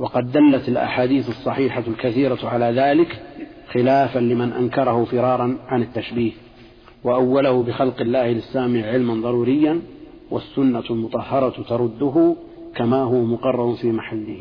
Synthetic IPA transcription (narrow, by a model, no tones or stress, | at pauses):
wɑqɑd̪ːalːat̪ɪlʔa̰ħaːd̪iːθɑsˤːɑħiːħalkaθiːɾaʕalaːðaːlɪkxɪlaːfanlɪmanʔa̰nkɑɾˤɑhʊfɪɾˤɑːɾˤɑnʕanɪt̪ːaʃbiːh | waʔawːalahʊbɪxɑlqɪlːaːhɪlɪsːaːmɪʕʕɪlmanðˤɑɾˤuːɾɪjːan | wʔa̰sːʊnːalmʊt̪ˤɑhːɑɾˤɑt̪ɑɾˤʊd̪ːʊɦʊ | kamaːɦʊwamʊqɑrˤːɑɾˤʊfiːmaħalːɪhi